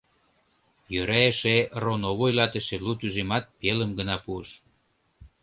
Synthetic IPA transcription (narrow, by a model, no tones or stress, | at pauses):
jøɾæeʃeronoβojlɑt̪əʃelut̪yʒemɑt̪̚peləmɡənɑpuəʃ